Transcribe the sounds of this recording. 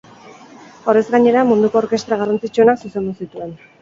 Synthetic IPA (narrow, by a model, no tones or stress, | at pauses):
orezɡaɲe̞ɾamund̪uko̞ːɾke̞st̪ɾaɣ̞arant͡sit͡ʃuenaksuse̞nd̪usit̪ue̞n